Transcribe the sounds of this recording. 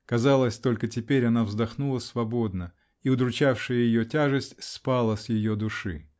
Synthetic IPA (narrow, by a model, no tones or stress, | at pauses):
kɐzalˠəsʲt̪o̞lʲkətʲɪpʲeɾʲɐnavzd̪ɐxnulˠəsvɐbo̞d̪nə | iʊd̪ɾʊt͡ɕafʂɨjəjɪjotʲaʐɨsʲtʲspalˠəsʲjɪjod̪ʊʂɨ